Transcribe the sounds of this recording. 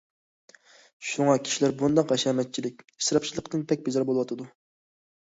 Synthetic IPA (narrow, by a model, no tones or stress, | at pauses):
ʃuŋɑkʲʰi̥ʃilæɾbund̪ɑqɛʃɑːmɛt̪̚t͡ʃʰilɪk̚ʲ | i̥sɾɑpʃʰilˠəqt̪ɨnpʰɛk̚ʲbezɑɾbolˠwɑt̪ʰɨd̪u